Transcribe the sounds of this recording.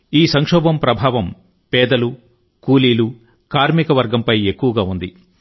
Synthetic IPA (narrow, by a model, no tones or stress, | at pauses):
iːsɐŋkʂɔːbɐmpɾɐbʱaːʋɐm | pɛːd̪ɐlu | kuːliːlu | kaːɾmikɐʋɐɾɡɐmpɐje̞kːuʋɐɡaːund̪i